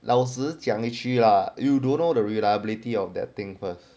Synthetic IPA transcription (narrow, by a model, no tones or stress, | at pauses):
lʔaʊws̬ətjãŋit͡ʃilajudõnːodəɹilajəbilitiɔfdɛ̰t̚t̪ɪ̃ŋfəs